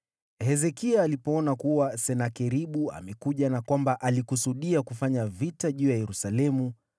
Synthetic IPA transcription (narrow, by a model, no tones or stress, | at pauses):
hɛzɛkiaːlipɔɔnakuwasɛnakɛɾiɓua̰mɛkuʄanakwambaʔalikusuɗiakufaɲavitaʄuːjajɛɾusalɛmu